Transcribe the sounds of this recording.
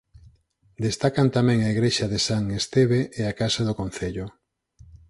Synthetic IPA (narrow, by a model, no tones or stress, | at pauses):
d̪est̪akant̪amɛ̃ŋaiɣɾeʃaðesaŋest̪eβeʔeakasaðʊkonθeʎʊ